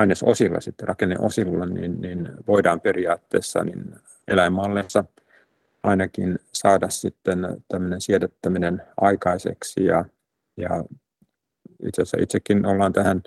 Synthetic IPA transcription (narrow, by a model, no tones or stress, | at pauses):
ɑinesosilːɑ̰sit̪ːerɑkenḛʔosilːɑnḭnninʋoidɑːmperiɑːt̪ːḛːsːɑ̰nḭn | ḛlæimːɑlːesːɑ | ʔɑinɑkinsɑːdɑssit̪ːent̪æmːønensiɛt̪et̪ːæminenʔɑikɑisḛksijɑ | jɑ̰ | ḭt̪sesæ̰ʔit̪sekːinolːɑːnt̪æhæn